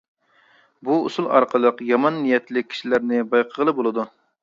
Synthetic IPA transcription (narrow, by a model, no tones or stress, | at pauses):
buṵsulˠɑ̰ɾqʰəlˠəqjɑmɑnːijɛt̪lɪkʲʰːi̥ʃilæɾnɪbɑjqʰəʁəlˠəbolˠɨd̪u